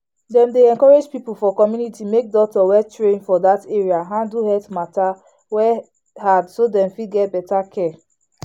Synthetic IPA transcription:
dɛ̃mdeɛ̃nkɔɹed͡ʒpipufɔkɔmjunitimek̚dɔk̚tɔwɛtɹẽnfɔdateɹiaɦãnduɦɛtmata | wɛ | hadsodɛ̃mfidɡɛt̚bɛtakʰɛ

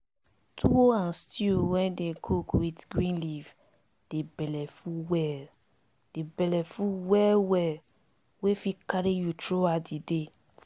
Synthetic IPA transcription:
tʰuwoãnstiuwɛ̃dekʰokwitɡɾĩnliv | d̥ebɛlɛfũwɛl | d̥ebɛlɛfũwɛlwɛl | wefikaɾijutɾoadide

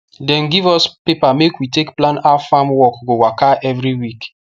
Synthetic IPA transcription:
dɛ̃nɡivɔspepamekwitekplãnafamwɔkɡowakaʔɛvɹiwik

